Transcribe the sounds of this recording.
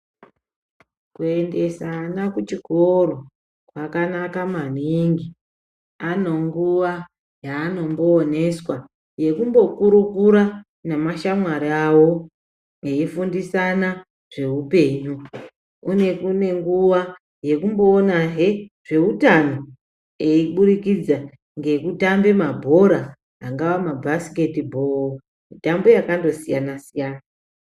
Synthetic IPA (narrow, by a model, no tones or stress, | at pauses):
kue̞nde̞sanakut͡ʃikoɾo | kwakanakamaniŋɡi | anoŋɡuʋa | jaːno̞mbo̞ːne̞swa | je̞kumbo̞kuɾukuɾa | namaʃamwaɾiawo | eifundisana | ʐ̥e̞upe̞ːɲu | une̞kune̞ŋɡuʋa | je̞kumbo̞ːnaɦeʐ̥e̞utano̞ | eiɓuɾikid͡za | ŋɡe̞kutambe̞mabʱo̞ɾaː | ŋɡaʋamabʱasi̥ke̞tibʱo̞o | mitambo̞jakando̞sijanasijaːna